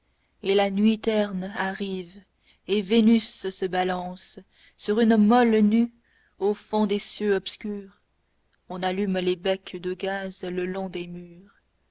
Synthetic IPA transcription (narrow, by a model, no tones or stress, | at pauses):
elanɥit̪ɛʁnaʁiv | evenyssəbalɑ̃sː | yʁynmɔlny | ofɔ̃d̪esjøɔpskʲyːʁ | ɔ̃nalymlebɛkd̪əɡazləlɔ̃d̪emyːʁ